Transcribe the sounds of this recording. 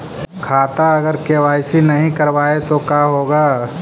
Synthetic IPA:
kʰaːt̪aɐɡəɾkeːʋaːjsinɐɦĩkɐɾʋaːet̪okaːɦoːɡaː

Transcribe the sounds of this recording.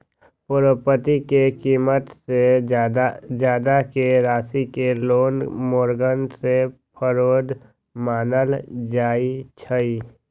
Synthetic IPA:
pʊɾəpət̪ikekiːmət̪se | d͡ʒjaːd̪akeɾaːsikeloːnmoːɾɡənsepʰəɾoːd̪ | maːnəld͡ʒaːit͡ʃʰəi

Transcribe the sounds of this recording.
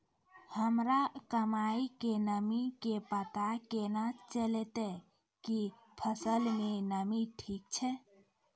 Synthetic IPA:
həmɾakəmaikenəmikepət̪akenat͡ʃəlet̪e | ki | pʰəsəlmenəmiʈʰik̚t͡ʃʰɛ

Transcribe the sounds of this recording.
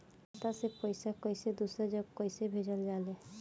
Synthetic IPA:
t̪asepɔjsakɔjsed̪usɾad͡ʒɔkɔjsebʱed͡ʒəld͡ʒale

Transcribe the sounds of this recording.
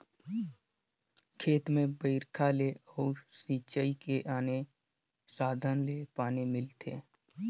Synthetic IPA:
kʰeːt̪mẽbəɪɾkʰaleɔːsiːt͡ʃəikeʔaːne | saːd̪ʱənlepaːnemɪlt̪ʰeː

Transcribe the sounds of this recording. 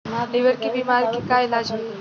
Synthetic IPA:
lɪʋəɾkibimaːɾkikaːɪlaːd͡ʒm

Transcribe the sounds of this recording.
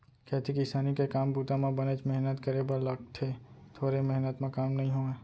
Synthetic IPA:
kɛːt̪ʰikɪsaːnikekaːmbuːt̪amãbɐnet͡ʃmɛɦnət̪kəɾebɐɾlɐɡt̪ʰe | t̪ʰoːɾemɛɦnət̪mẽkaːmnɐɦĩɦoːeː

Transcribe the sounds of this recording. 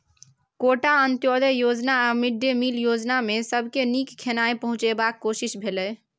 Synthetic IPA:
koʈaənt̪jod̪əjod͡ʒnaamiɖjemiljod͡ʒnamesəbʱkenikkʰːenaepəɦʊ̃t͡ʃebakːoʃiʃbʱelɛ

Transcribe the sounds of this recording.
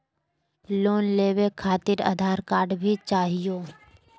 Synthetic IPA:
loːnleːʋekʰaːt̪ɪɾa̰d̪ʱaːɾkaːɾɖbʱit͡ʃaːɦijoː

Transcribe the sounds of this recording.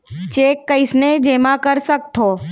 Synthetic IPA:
t͡ʃeːkːɐɪsned͡ʒeːmakɐɾsɐk̚t̪ʰoː

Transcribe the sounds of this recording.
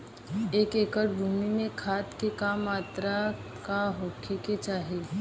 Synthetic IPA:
eːkekəʈbʱuminekʰaːt̪kekamːaːt̪ɾa | kaɦokʰeket͡ʃaːɦe

